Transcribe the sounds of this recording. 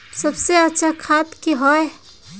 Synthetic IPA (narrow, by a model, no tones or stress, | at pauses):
səbseətːʃʰakʰat̪kiɦɔe